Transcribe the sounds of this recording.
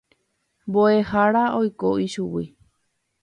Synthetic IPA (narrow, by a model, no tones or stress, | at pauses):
mboehaɾaojkoʔiʃuwi